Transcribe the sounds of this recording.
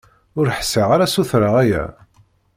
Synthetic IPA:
ʊɾħsiʁaɾasuθɾaʁæjæ̰

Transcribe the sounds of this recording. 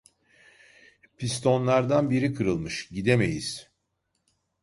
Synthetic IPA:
pʰist̪ʰo̞nlˠaɾd̪anbiɾikʰɯɾɯlˠmɯʃɟid̪e̞me̞̰jiz̥

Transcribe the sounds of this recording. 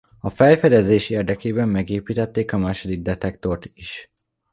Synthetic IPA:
ɒfɛjfɛd̪ɛzeːʃeːrd̪ɛkeːbɛmːɛɡeːpiːt̪ɛt̪ːeːkɒmaːʃod̪iɡ̚d̪ɛt̪ɛkt̪o̞rt̪iʃ

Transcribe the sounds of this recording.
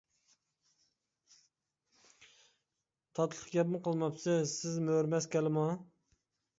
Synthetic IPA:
t̪ʰɑt̪ʰlˠə̥χqɡʲɛpmɨqəlˠmɑpsɪsɪzmøɾmɛskʲɛlɪmɑ

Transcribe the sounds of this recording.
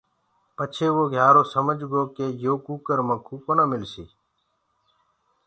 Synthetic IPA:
pət͡ʃʰeːʋoːɡʱjaːɾoːsəməd͡ʒɡoːkeːjoːkuːkəɾmãːkʰuːkonãːmɪlsḭː

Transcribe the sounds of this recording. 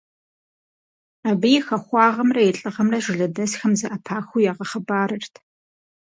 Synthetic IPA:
aːbɨjɪxɐχʷɑːʁɐmrɐjɛɬʼɨʁɐmrɐʒʷɪɮɐdɐsxɐmzɐʔapʰaːxʷujaːʁɐχɐbaːɾɨrtʰ

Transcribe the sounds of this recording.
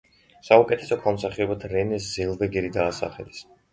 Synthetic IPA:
saukʼɛt̪ʰɛ̥sɔkʰamsaχɛɔbat̪ʰɾɛnɛs̬zɛlˠvɛɡɛɾid̪aːsa̰χɛ̰lis

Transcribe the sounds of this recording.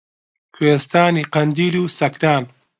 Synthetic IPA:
kʰuweːst̪aːniːqɐnd̪iːluːsɐkɾaːn

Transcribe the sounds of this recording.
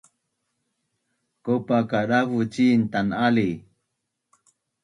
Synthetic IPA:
kopakaɾaβut͡ʃiːnt̪anali

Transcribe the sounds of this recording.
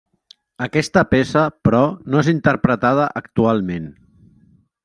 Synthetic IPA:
əkɛst̪əpesəpɾɔnoezint̪əɾpɾət̪að̞əʔəkt̪ualˠmen

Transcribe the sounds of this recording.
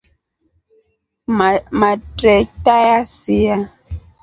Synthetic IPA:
matɾɛtajasija

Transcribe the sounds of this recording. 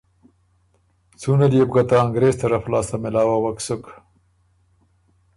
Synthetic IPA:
t͡sunalieb̚ɡat̪aːŋɡɾeːst̪aɾaflɑːst̪amɪlɑːwawaksʊk

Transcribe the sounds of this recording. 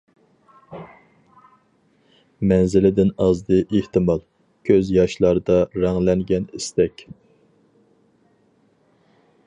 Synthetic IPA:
mɛnzɪlɪd̪ɪnɑzd̪ɨʔeht̪ɨmɑlˠ | kʲʰøzjɑʃlˠɑɾd̪ɑɾæŋlɛŋɡʲɛnist̪ɛkʲ

